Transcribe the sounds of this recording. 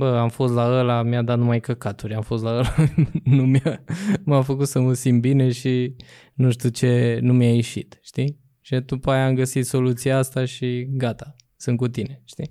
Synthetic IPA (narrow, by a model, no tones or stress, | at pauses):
bəamfo̞st̪laəlamjad̪at̪numajkəkat̪uɾʲamfo̞st̪laəlanumjamafəkut̪səməsimbine̞ʃi | nuʃt̪ʲut͡ʃe̞numjajeʃḭt̪ʃt̪i | ʃid̪upajaːmɡəsit̪so̞lut̪sijaast̪aʃiɡat̪ḁ | sɨnkut̪ine̞ʃt̪i